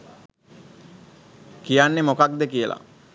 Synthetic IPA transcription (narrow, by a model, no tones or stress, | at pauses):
kijanːemokak̚d̪ekijəla̰